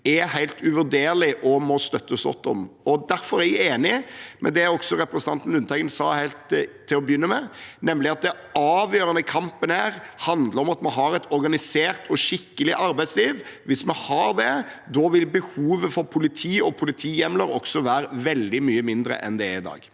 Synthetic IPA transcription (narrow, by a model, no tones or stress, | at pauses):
ɛhæɪlt̪ʰʉʋʉɾd̪eːɾlɪʔɔmɔst̪œt̪ːəsɡɔ̰t̪ːɔ̰mɔd̪æɾfɔɾæɡeːnɪmʔɛ̰d̪ɛɔksɔɾɛpɾɛsən̩ʰɑnt̪n̩ʉnt̪ʰɛɪɡənsɑːhæɪlt̪ʰː | ɪlɔbjʏnːəmɛnɛmlɪɑt̪̚d̪ɛ | ɑːʋjøːɾənəkʰɑmpənhæːɾhɑnd̪ləɾɔmɑt̪mɛɦɑɾɛt̪ʰɔɾɡɑnɪseːɾt̪ʰɔʃɪkːəlɪʔɑɾbæɪt̪sliːʋʋɪsmɛhɑɾd̪ɛd̪ɔʋɪlbəhuːʋəfɔɾpʰʊlɪt̪ʰiːɔpʰʊlɪt̪ʰiːjɛmləɾɔksɔʋæːɾəʋɛld̪ɪmyːəmɪnd̪ɾə̰ʔɛ̰nd̪ɛɾɪd̪ɑ̰ːɡ